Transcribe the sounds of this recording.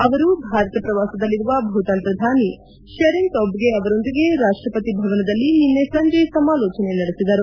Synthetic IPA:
ɐʋɐɾubʱaːɾɐt̪ɐpɾɐʋaːsɐd̪ɐlːiɾuʋɐbʱut̪ɐnt̪ɾɐd̪ʱaːni | ʃɐɾint̪obɡeɐʋɐɾo̞nd̪iɡe̞ɾaːʂʈɾɐpɐt̪ibʱɐʋɐnɐd̪ɐlːininːesɐɲd͡ʒɐjsɐmaːlɔːt͡ʃɐnenɐɽesid̪ɐɾu

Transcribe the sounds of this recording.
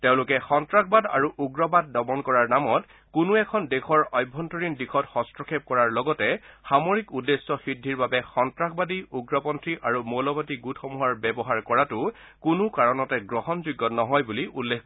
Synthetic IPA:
teʊ̃lʊkɛxɔntɹakbada̰ɹuʔuɡɹɔbadːɔbɔnkɔɹaɹnamɔt | kʊnuɛkʰɔndekʰɔɹɔjbʱːɔntɔɹindikʰɔtxɔstɹɔkʰep̚kɔɹaɹlɔɡɔtɛxamoɹikudesːɔxidʱːiɹbabɛxɔntɹakbadiuɡɹɔpɔntɹiʔaɹumolɔbatiɡutʰxɔmuɦaɹbɛbɔɦaɹkɔɹatʊ | kunukaɹɔnɔtɛɡɹɔɦɔnzuɡːɔnɔɦɔjbuliʔulːekʰ

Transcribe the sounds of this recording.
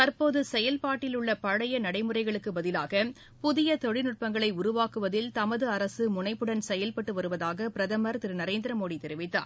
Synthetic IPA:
t̪ɐɾpoːðɯsɛjɐlpaːʈːɪlʊɭːɐpɐɻɐjɐnɐɽɐɪmɯrɐɪɣɐɭɯkːɯbɐðɪlaːɣɐ | pʊðɪjɐt̪ɔɻɪnɯʈ̚pɐŋɡɐɭɐɪʊɾʊʋaːkɯʋɐðɪlt̪ɐmɐðɯɐɾɐsɯmʊnɐɪpːɯɽɐnsɛjɐlpɐʈːɯʋɐɾɯʋɐðaːɣɐpɪɾɐðɐmɐɾt̪ɪɾɯnɐɾeːnd̪ɪɾɐmoːɽit̪ɛɾɪʋɪt̪ːa̰ː

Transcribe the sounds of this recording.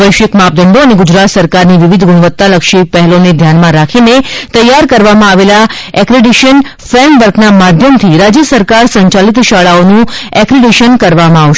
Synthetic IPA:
əjʃəkmap̚d̪əɳɖoəneɡʊd͡ʒɾat̪səɾkaɾniʋiʋid̪ʱɡʊɽəʋət̪ːaləkʃipɛɦɛloned̪ʱjanmãɾakʰinet̪əjːaɾkəɾʋamãaʋela | ɛkɾiɖiʃən | fɾɛɳɖʋəɾknamad̪ʱjəmt̪ʰiɾad͡ʒjəsəɾkaɾsə̃ɲt͡ʃalit̪ʃaɭaonũɛkɾiɖiʃənkəɾʋamãaʋʃ

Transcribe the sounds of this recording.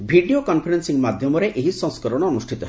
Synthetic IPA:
bʱiɖiokɔnpʰɔɾensiŋmad̪ʱjɔmɔɾeʔeɦisɔ̃ŋskɔɾɔɽ̃ɔːnusʈʰit̪ɔɦ

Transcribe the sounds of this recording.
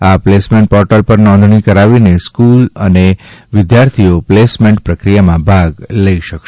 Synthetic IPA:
aplesmẽɳʈ̚pɔɾʈəlpəɾnɔ̃nd̪ʱɳikəɾaʋineskuləneʋɪd̪jaɾt̪ʰioplesmẽɳʈ̚pɾəkɾijamãbʱaɡləiʃəkʃ

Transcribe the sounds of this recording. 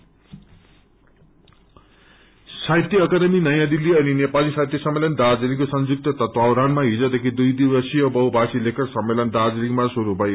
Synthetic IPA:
sajt̪iʌkad̪eminʌjãd̪ilːiʌninepalisajt̪jisʌmːelʌnd̪ad͡zilikosʌnd͡zuk̚t̪ʌt̪ʌt̪wawɾanmaɦid͡zʌd̪ekʰid̪ujd̪iwʌsijʌbʌwbʱasilekʰʌrsʌmːelʌnd̪ad͡ziliŋmasuɾubʱʌj

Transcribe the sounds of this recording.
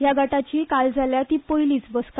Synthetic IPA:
jaɡaʈat͡ɕiːkald͡zʱaljat̪iːpojliːt͡sbəska

